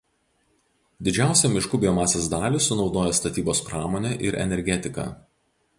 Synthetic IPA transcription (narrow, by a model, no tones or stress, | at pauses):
d̪ʲɪd͡ʒʲæˑʊsʲɛmʲɪʃkʊbʲɪjomɑːsʲeːsd̪ɑːlʲiˑsʊnɒʊd̪oːjɛst̪ɐt̪ʲiːboːspɾɑːmoːnʲɛʔɪ̰ɾɛ̰nʲɛɾʲɡʲɛt̪ʲɪkɑ̰